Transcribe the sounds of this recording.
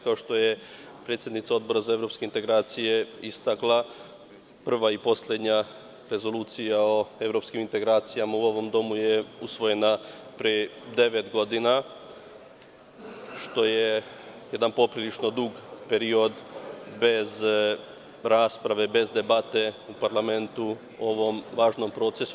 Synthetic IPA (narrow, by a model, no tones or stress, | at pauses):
kao̞ʃt̪o̞je̞ | pɾet̪sjed̪nit̪sao̞d̪bo̞ɾazae̞vɾo̞pske̞int̪e̞ɡɾaːt̪sije̞ist̪aklˠa | pr̩ʋaipo̞slʲe̞d̪ɲa | ɾe̞zo̞luːt̪sijao̞e̞ʋɾo̞pskimint̪e̞ɡɾaːt̪sijamauo̞ʋo̞md̪o̞mujeusʋo̞je̞na | pɾijed̪e̞ʋe̞t̪ɡo̞d̪ina | ʃt̪o̞je̞je̞d̪anpo̞pɾilit͡ʃno̞d̪uɡpe̞ɾio̞d̪be̞z | ɾaːspɾaʋe̞be̞zd̪e̞bat̪e̞upaɾlˠame̞nt̪u | o̞ʋo̞mʋaːʒno̞mpɾo̞ːt̪se̞su